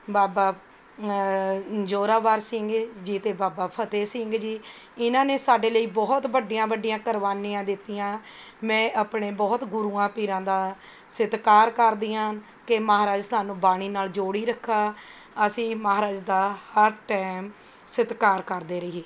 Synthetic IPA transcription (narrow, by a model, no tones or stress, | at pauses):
baːbaː | d͡ʒoːɾaːʋaːɾsɪŋɡd͡ʒiːt̪eːbaːbaːpʰət̪eːsɪŋɡd͡ʒiː | ɪnãːneːsaːɖeːləiːbɔːt̪bəɖijãːbəɖɪjãːkəɾʋaːniːãːd̪ɪt̪ːijãː | mɛ̃ːʔaːpɳeːbɔːt̪ɡʊɾuːãːpiːɾãːd̪aː | sɪt̪kaːɾkəɾd̪ijãː | keməaːɾaːd͡ʒt̪aːnũːbaːɽ̃iːnaːld͡ʒoːɽiːɾəkʰːaː | əsĩːmaɦaːɾaːd͡ʒd̪aːhəɾʈɛːm | sɪt̪kaːɾkəɾd̪eːɾəɦeː